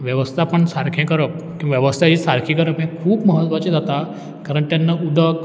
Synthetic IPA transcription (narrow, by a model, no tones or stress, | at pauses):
ʋjəʋəst̪ʰapəɳsaɾkʰẽkəɾəp̚ | kĩʋaʋjəʋəst̪ʰat͡ɕiːsaɾkʰĩkəɾəpɦẽkʰuːbməɦət̪ːʋat͡ɕẽd͡zat̪a | kəɾəɳʈjanːəud̪ʱək